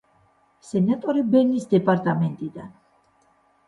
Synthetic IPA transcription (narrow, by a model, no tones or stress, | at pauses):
sɛnat̪ʼɔɾibɛnisd̪ɛpʼaɾt̪ʼamɛnt̪ʼid̪an